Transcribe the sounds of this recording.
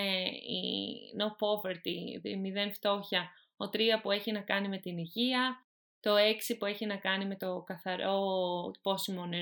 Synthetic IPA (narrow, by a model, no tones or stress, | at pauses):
eḭnopo̞veɾt̪imiðe̞nft̪o̞çɐ | o̞t̪ɾiɐpue̞çinɐkɐnime̞t̪iniʝiɐ | t̪o̞e̞ksipue̞çinɐkɐnime̞t̪o̞kɐθɐɾo̞ipo̞simo̞ne